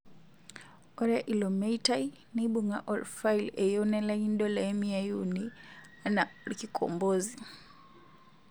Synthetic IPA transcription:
ɔɾaʔilɔmɛitai | niɓuŋaʔɔlfajlɛjɔnɛlaindɔlaɛmiajuni | anaɾkikʰɔ̰mbɔzi

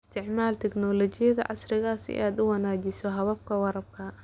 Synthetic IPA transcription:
st̪ʰɪʕmaːlt̪ʰɛɡnɔːlɔt͡ʃɪjɐðɐ̰ʕɑ̰srɪɣaːsɪ̰ʔaːd̪ʊwɐnaːt͡ʃɪsɔɦɐβɐb̚kʰɐwɑɾɐb̚kʰɐ

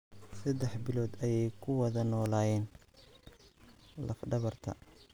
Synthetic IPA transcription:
sɐd̪ɛħbɪlɔːd̪ɐjɛjkʰʊwɐðɐnɔːlaːjɛːn | lɐfɖɐβɐrt̪ʰɐ̰

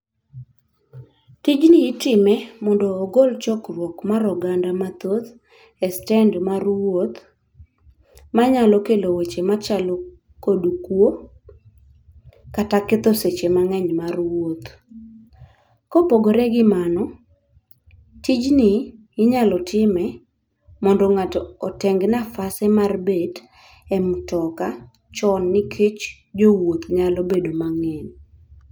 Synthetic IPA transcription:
tid͡ʒnɪːtɪmɛmɔndɔːɡolt͡ʃɔkrwɔkmaɾɔɡandamat̪ot̪ | ɛstɛndmarwot̪ | maɲalɔkelowet͡ʃemat͡ʃalɔ | kodukwo | katakɪt̪oset͡ʃemaŋɛɲmarwot̪ | kopoɡoɾɛɡɪmanɔ | tid͡ʒnɪ | ɪɲalɔtɪmɛ | mɔndɔŋatɔtɛŋɡnafasɛmarbed | ɛmtɔka | t͡ʃɔnːɪkʰet͡ʃ | d͡ʒowot̪ɲalɔbedomaŋɛɲ

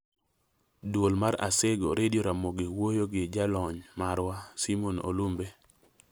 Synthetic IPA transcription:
dwolmaɾa̰seɡo̰ɾʔedjoɾamoɡɪwojoɡɪd͡ʒalɔɲmaɾwasimono̰lumbe

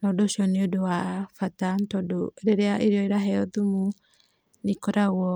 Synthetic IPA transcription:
nɔdoʃiɔneodowafatantɔdoeɾeɾeaʔeɾeɔeɾaɦɛɔðumu | nekoɾaɣwɔ

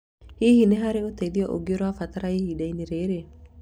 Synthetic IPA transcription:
hihineɦaɾeot̪eðjɔʔo̰ɡioɾwafat̪aɾaihidaineɾeɾe

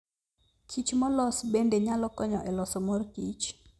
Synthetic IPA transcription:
kʰit͡ʃmɔlɔsbendeɲalɔkɔɲɔʔɛlɔsɔmɔrkit͡ʃ

